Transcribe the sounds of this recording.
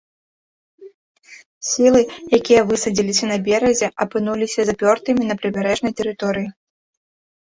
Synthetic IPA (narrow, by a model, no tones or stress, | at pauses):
sʲilˠɨjakʲijɐvɨsɐd͡zʲilʲisʲɐnɐbʲɛɾɐzʲɛʔɐpɨnulʲisʲɐzɐpʲɔrt̪ɨmʲinɐpɾɨbʲaɾɛʐnɐjt̪ɛɾɨt̪ɔɾɨji